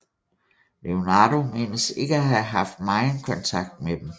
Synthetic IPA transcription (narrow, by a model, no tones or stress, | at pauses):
le̝onɑːdo̝me̝̰ːnəse̝ɡ̥əæɦæɦɑ̈fd̥̚mɑ̈ɪn̩kʰɒ̽nt͡sʰɑ̈ɡ̥̚d̥̚med̥em